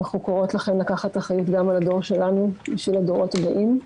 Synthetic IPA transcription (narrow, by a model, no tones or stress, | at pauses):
aχukoʁo̞tlaχenlakaχataχajitɡamalado̞ʁʃe̞lanubiʃvilado̞ʁo̞tabaʔim